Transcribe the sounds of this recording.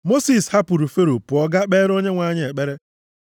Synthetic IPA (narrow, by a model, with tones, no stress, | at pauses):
mo˦si˨sha˦pʊ˨ɾu˨fe˦ɾo˨pʊ˨ɔ˦ɡa˦k͡pe˦ɾo˦ɲe˦ŋʷa˨˦ɲɪ˦e˨k͡pe˦ɾe˦